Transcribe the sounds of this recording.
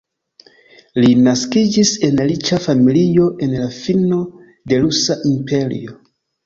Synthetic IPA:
linaskid͡ʒise̞nlit͡ʃafamilijo̞ʔe̞nlafino̞ | de̞lusaʔimpʰe̞ɾḭo̞

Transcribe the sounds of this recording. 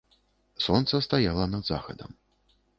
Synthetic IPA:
sɔnt̪sɐst̪ajalˠɐnɐd̪za̰xɐd̪ɐ̰m

